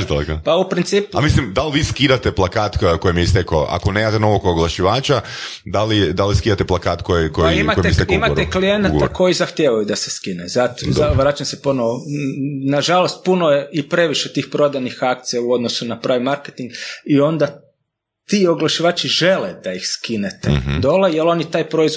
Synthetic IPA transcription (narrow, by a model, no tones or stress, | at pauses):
d̪alekopaupɾint̪siːpuamislimd̪alʋiːskiɾat̪eplˠakaːt̪kojimijest̪ekoʔa̰koneːmat̪ɛnoʋokoɡlˠaʃiʋaːt͡ʃa | d̪alid̪aliskidat̪eplˠakaːt̪kojikoiimatoj̪est̪ekimaɾeklijenaɡ̪a̰kʰo̞jizaxt̪jeʋajud̪aseskinezat̪ozaʋɾat͡ʃamseponoo | naʒalo̞st̪̚punojeipɾe̞ʋiʃet̪iːxpɾo̞d̪anixak̚t̪sijauo̞d̪nosunapɾʔaːʋimaɾket̪iŋɡio̞nd̪a | t̪iːoɡlˠaʃiʋaːt͡ʃiʒe̞led̪̥aixskinet̪ed̪o̞lejelˠo̞nit̪aːjpɾo̞iz